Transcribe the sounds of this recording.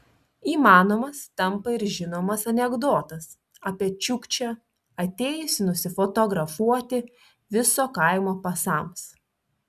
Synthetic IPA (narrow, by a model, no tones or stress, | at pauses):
iːmɑːnoːmɐst̪ɐmˑpɐɪɾʒʲɪnoːmɐsɐnʲɛɡd̪oːt̪ɐs | ɐpʲiɛt͡ʃʲʊkt͡ʃʲɛ | ɐt̪ʲeːjʊsʲɪnʊsʲɪfot̪oɡɾɐfuɔt̪ʲɪ | ʋʲɪsoːkɐɪmoːpɐsɑˑms